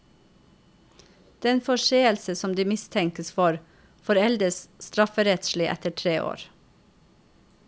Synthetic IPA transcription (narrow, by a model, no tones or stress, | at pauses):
d̪̥ɛnfɔʃeːəlsəsɔmd̪iːmɪst̪ʰɛŋkəsfɔɾ | fɔɾɛld̪əsst̪ɾɑfəɾɛt̪ʃlɪʔɛ̰t̪əʈʰɾeːʔo̰ːɾ